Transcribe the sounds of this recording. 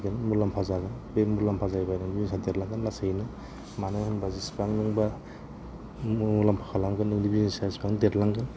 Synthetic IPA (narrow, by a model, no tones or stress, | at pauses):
ɡɯnmulampʰazaɡɯnbemmulampʰazajbanɯŋdibinsadetlaŋɡɯnlasejnɯ | manɯhɯnbazispaŋnɯŋba | ulampʰḁkʰalaŋɡɯnɯŋdibinisaspaŋdetlaŋɡɯn